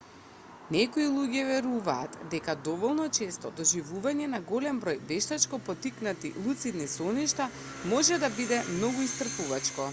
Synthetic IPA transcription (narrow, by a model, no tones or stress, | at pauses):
nɛkɔilˠuɟɛvɛɾuvaːt̪d̪ɛkad̪ɔvɔlˠnɔt͡ʃɛst̪ɔd̪ɔʒivuvaɲɛnaɡɔlɛmbɾojbɛʃt̪at͡ʃkɔpɔt̪iknat̪ilˠut̪sid̪nisɔniʃt̪a | mɔʒɛd̪abid̪ɛmnɔɡuist̪r̩puvat͡ʃkɔ